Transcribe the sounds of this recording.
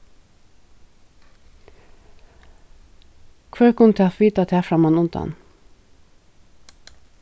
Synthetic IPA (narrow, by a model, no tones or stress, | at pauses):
kʰʋæːɹkʰʊnt̪ʰeɑfʋiːt̪ɑt̪ʰæːfɾɑmɑnʊnd̪ɑ̰n